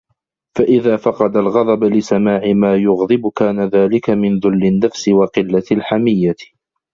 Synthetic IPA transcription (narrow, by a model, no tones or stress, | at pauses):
faʔɪðaːfɑqɑd̪alɣɑðˤɑblɪsamaːʕɪmaːjʊɣðˤɨbkaːnaðaːlɪkamɪnðʊlːɪnːafsɪwɑqɪlːalħamɪjːa